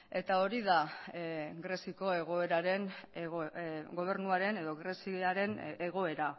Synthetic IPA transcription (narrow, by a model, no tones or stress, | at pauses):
e̞t̪ao̞ɾiða | ɡɾe̞siko̞e̞ɣ̞o̞e̞ɾaɾe̞nɣoɡo̞β̞e̞ɾnuaɾe̞ne̞ðo̞ɣɾesiaɾe̞neɣo̞e̞ɾa